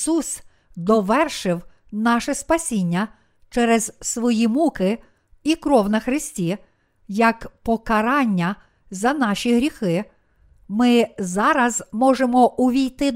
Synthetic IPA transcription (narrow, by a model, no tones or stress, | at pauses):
sus | d̪ɔʋɛrʃɪw | nɑʃɛspɐsʲinʲːɐ | t͡ʃɛɾɛz̥sʋɔjimukɪ | ikɾɔwnɐxɾɪsʲtʲi | jɐkpɔkɐɾɑnʲːɐ | zɐnɑʃʲiɦɾʲixɪ | mɪzɑɾɐzmɔʒemɔʔʊʋʲijt̪ɪ